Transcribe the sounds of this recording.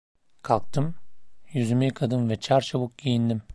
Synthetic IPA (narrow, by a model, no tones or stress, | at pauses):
kʰalˠk̚t̪ʰɯmjyzymikʰad̪ɯnvɛt͡ʃʰaɾt͡ʃʰaβuk̚ɟijind̪im